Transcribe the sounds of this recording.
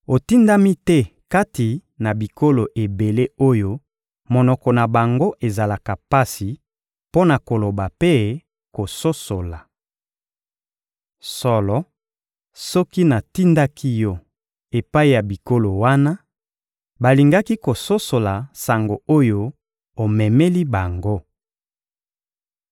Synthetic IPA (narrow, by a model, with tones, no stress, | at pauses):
o˨ti˦nda˦mi˦tɛ˦ka˦ti˨na˨bi˨ko˦lo˨ʔe˨be˨le˦o˦jo˦ | mɔ˨nɔ˨kɔ˨na˨ba˨ŋɡo˦ʔe˨za˨la˨ka˨pa˦si˨ | po˦na˨ko˨lo˨ba˨pe˦ | ko˨so˦so˨la˨ | sɔ˨lɔ˦ | sɔ˦ki˦na˨ti˦nda˦kʰi˦jɔ˦ | e˨pa˦i˨ja˨bi˨ko˦lo˨wa˦na˦ | ba˨li˨ŋɡa˦ki˦ko˨so˦so˨la˨sa˨ŋɡo˨o˦jo˦ | o˨mɛ˨me˦li˦ba˨ŋɡo˦